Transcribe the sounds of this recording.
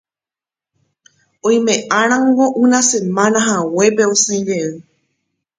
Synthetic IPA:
õj̃mẽ̞ʔãɾ̃ãŋɡo̞ʔɨ̃nãse̞mãnãɦawe̞pe̞osãj̃ɾeɨ

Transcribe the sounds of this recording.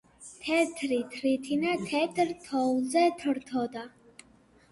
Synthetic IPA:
t̪ʰɛt̪ʰɾit̪ʰɾit̪ʰinat̪ʰɛt̪ʰɾt̪ʰɔzɛt̪ʰɾt̪ʰɔd̪a

